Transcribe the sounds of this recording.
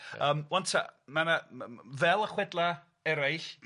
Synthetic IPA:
əːmwɔntʰa̰manavɛlˠəχwɛdlˠa | ɛɾajɬ

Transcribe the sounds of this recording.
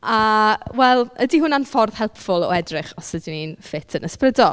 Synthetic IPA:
awɛlˠədiɦʊnanfɔrð̥hɛlˠpfʊlˠɔ̰ɛdrɪχɔsədininfɪtʰənəsprədɔ

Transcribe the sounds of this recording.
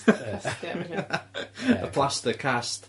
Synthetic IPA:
ə̰pʰl̥ˠastəkʰast

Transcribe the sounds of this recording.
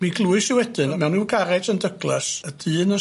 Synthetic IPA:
miɡlˠuːɨsiwɛdɨnmɛwnuɡaɾɛdəndəɡlˠɛsəd̥ɨːnə

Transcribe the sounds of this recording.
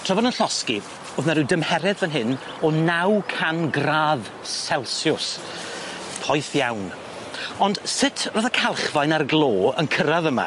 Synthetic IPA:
tʰrɔvɔdənɬɔski | oðnaɾɪwdəmhɛɾɛðvɛnɦɨn | ɔnawkʰanɡraːð | sɛlˠsjʊs | pʰɔjθjawn | ɔnd̥sɪtʰroːðakʰalˠχvajnarɡlˠoːənkʰəɾaðəma̰

